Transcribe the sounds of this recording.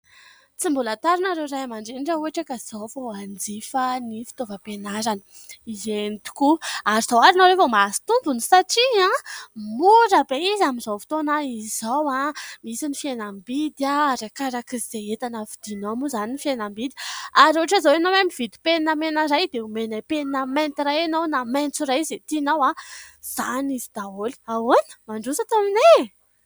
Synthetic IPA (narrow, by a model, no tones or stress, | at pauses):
t͡simbulat̪aɾinaɾewɾajamaɳɖ͡ʐeniɖ͡ʐauaʈ͡ʂakaz̥awvoand͡zifənifi̥t̪ovəpenaɾanə | izenit̪u̥kuaɾiz̥awaɾinaɾevomasi̥t̪umbunisaʈ͡ʂiãmuɾəbeizamizawfi̥t̪onaiz̥awãmisinifienambid̪aɾakaɾakizizeet̪anəvid̪̥inomuzaninifienambid̪i̥aɾoaʈ͡ʂazawenowamivid̪i̥pennamenəɾajd̪eumenapeninament̪iɾajenownament͡suɾajzet̪inawaz̥anizid̪̥aoli̥awonə̥maɳɖ͡ʐusat̪amine